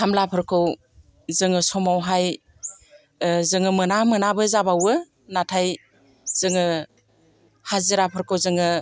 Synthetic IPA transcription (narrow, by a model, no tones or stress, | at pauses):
hʰamlapʰɯɾkʰɯw | zɯŋɯsɔmawɦaj | zɯŋɯmɯnamɯnabɯzabawɯ | natʰaj | z̥ɯŋɯ | haziɾapʰɯɾkʰɯwzɯŋɯ